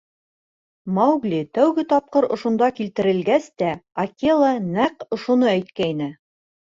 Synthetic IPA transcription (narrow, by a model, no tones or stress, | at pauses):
mɑwɡlʲit̪æwɡɘt̪ɒp̚qɤɾŏʃŏnd̪ɑkilt̪ɘ̆ɾɘ̆lɡæst̪æɐkʲelˠənæqŏʃŏnɤæjt̪̚kæjnɘ